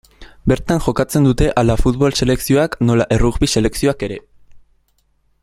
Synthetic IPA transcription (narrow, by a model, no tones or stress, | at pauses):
be̞ɾt̪aŋʝo̞kat͡se̞nd̪ut̪e̞ʔalafut̪βo̞lse̞le̞ksio̞akno̞laʔe̞ruɣβise̞le̞ksio̞ake̞ɾe̞